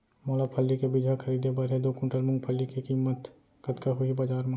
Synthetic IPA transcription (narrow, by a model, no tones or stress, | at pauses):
mɔːlapʰəlːikebɪd͡ʒ̪ʱakʰɐɾiːd̪ʱebɐɾɦed̪oːkʊ̃ːʈəɾmʊ̃ŋɡpʰəlːikikiːmːət̪ | kət̪kaɦʊibad͡ʒaːɾmã